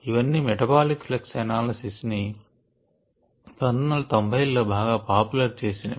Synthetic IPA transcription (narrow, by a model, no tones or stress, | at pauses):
iʋɐnːimɛʈɐbaːlikfleksɐnaːlɐsisni | pɾɐnd̪ʱɐnɐlɐt̪ɐmbʱɐjlːoːbʱaːɡaːpaːpulɐɾt͡ʃe̞ːsinɐ